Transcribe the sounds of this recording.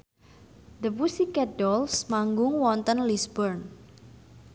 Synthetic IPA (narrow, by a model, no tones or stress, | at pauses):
d̪əpusikɛdɔlsmaŋɡʊŋwɔnt̪ənlisbɔrn